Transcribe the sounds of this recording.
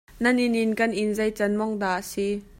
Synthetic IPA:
nɐnɪnɪnkɐnʔɪnzɐjt͡sɐnmɔŋd̪aːʔasi

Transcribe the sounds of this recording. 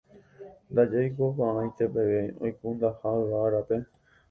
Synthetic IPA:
nd̪ad͡ʒajkokããj̃t̪e̞peʋeo̰jkund̪ahaaɾape̞

